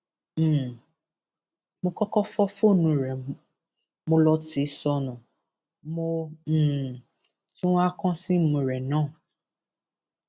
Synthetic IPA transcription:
mõ˧kɔ˦kɔ˦fɔ˦fo˦˨nũ˨˧ɾɛ˨ | mõ˧lɔ˧ti˨˦sɔ˧nã˨ | mõ˦˨ | tĩ˦a˦kɔ̃˦sĩ˦mũ˨ɾɛ˨nãː˦˨

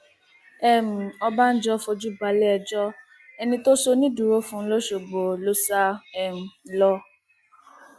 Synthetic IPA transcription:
ɛ˦˨m̩̃˨ɔ˧ba˦n̩˦d͡ʒɔ˦fɔ˧d͡ʒu˦ba˧lɛ˦ɛ˧d͡ʒɔ˦ | ɛ˧nĩ˧to˦so˦nĩ˦du˨ɾo˦fũ˦lo˦ʃo˨ɡ͡bo˨lo˦sa˦ɛ˦˨m̩̃˨˦lɔ˦

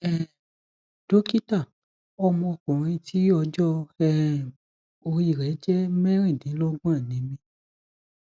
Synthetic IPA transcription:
ɛ˦˨ | d̥o˦ki˦ta˦˨ | ɔ˧mɔ̃˧kũ˨ɾ̃ĩ˧tʰi˨˦ɔ˧d͡ʒɔ˦ɛ˦˨ | o˧i˨ɾɛ˨˦d͡ʒɛ˦mɛ˦ɾ̃ĩ˦˨nĩ˨˦lɔ˦ɡã˦˨nĩ˨˦mĩ˧

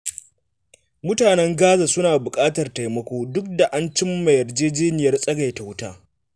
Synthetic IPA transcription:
mʊ˦taː˨nɛ˦ŋɡaː˦za˨sʊ˦naː˨bʊ˨kʼaː˦tɐ˨rta˨jmɐ˦kʷoː˦dʊ˦k̚da˨ʔa˦nt͡ʃɪ˦mːa˨jɐ˨rd͡ʒeː˦d͡ʒeː˦nɪ˨jɐ˦rsʼɐ˦ɡa˨jta˨wʊ˦taː˦

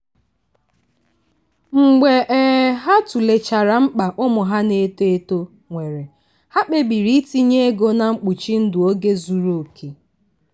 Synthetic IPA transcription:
ŋ͡m̩˨ɡ͡be˨ʔɛ˨ɦa˦tu˨le˨t͡ʃa˨ɾa˨m̩˦k͡pa˨ʔʊ˦mʊ˨ɦa˦ne˦te˦e˦to˦ | ŋʷe˨ɾe˨ | ha˦k͡pe˦bi˨ɾi˦ti˦ɲe˦ɡo˦na˨ŋ͡m̩˦k͡pu˨t͡ʃi˦n̩˦dʊ˨o˦ɡe˦zu˨ɾo˦˨kʰe˨

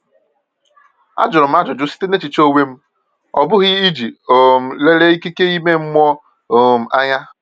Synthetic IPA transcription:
a̰˦d͡ʒʊ˨ɾʊ˨m̩˦a˦d͡ʒʊ˨d͡ʒʊ˦si̥˦te˦ne˦t͡ʃi˨t͡ʃo˦we˦m̩˦ | ɔ̰˨bʊ˦ɣɪ˦i˦d͡ʒi˨o˨m̩˨le˦le˦i˦ki˦ke˦i˦me˦ŋ͡m̩˦mʷɔ˦ | o˨o˨m̩˨a˦ɲa˦

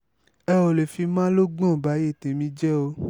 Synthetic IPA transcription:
ɛ˧wo˨le˨fi˧mã˦lo˦ɡ͡bɔ̃˦˨ba˨˦e˦˨tẽ˨mĩ˧˦d͡ʒɛ˦o˧˦

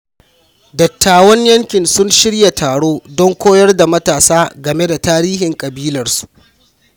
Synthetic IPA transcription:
dɐ˨tːaː˨wɐ˦ɲjɐ˦ŋkʲɪ˨nsʊ˦nʃɪ˦ɽja˨tʰaː˨ɽoː˦dɔ˦ŋkʷoː˦jɐ˦rda˨mɐ˦taː˨saː˦ɡɐ˨me˦da˨taː˦ɾiː˦ɦɪ˨ŋkʼɐ˨biː˦lɐ˨rsu̥˨ʔ

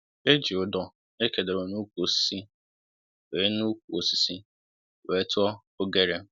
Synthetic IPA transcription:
e˦d͡ʒi˨ʊ˨dɔ˦ | e˦ke˨de˨o˨nu˦kʷu˨o˨si̥˨˦si˦ | we˨˦nu˦kʷu˨o˨si̥˨si˦ | we˨˦tʊ˦ɔ˦ | o˦ɡe˦ɾe˦

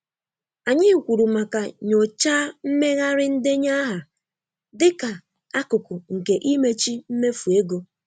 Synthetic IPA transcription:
a˨ɲɪ˦˨kʷu˨ɾu˨ma˨ka˨ɲo˨t͡ʃaː˦m̩˦me˦ɣa˦ɾɪ˦n̩˦dɪ˦ɲa˦ɦa˨ | dɪ˦ka˨ | a˦kʊ˨kʊ˨ŋ̩˨ke˨ʔi˦me˦t͡ʃi˦m̩˦me˦fu˨e˦ɡo˦

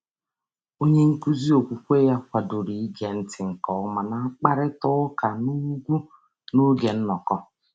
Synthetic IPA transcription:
o˦ɲe˦ŋ̩˦ku˦zi˦o˨kʷu˨kʷe˦ja˦kʷa˨do˨ɾi˨i˦ɡe˨n̩˦tɪ˨ŋ̩˨kɔ˨ʊ˦ma˨na˦a˦k͡pa˦ɾɪ˦tʊ˦ka˨nu˦ɡʷu˦ | nu˦ɡe˨n̩˦nɔ˨kɔ˦

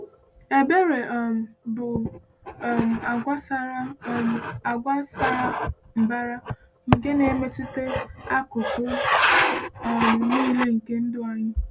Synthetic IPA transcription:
e˨be˦ɾe˨m̩˨bʊ˨ | m̩˨a˨ɡʷa˦sa˦ɾa˦˨ | a˨ɡʷa˦sa˦ | m̩˨ba˦ɾa˦ | m̩˨ɡe˦ne˨˦me˦t͡ʃi˦te˦a˦kʊ˨pʊ˦˨ | ni˦le˦ŋ̩˨ke˦n̩˦dʊ˦a˨ɲɪ˦

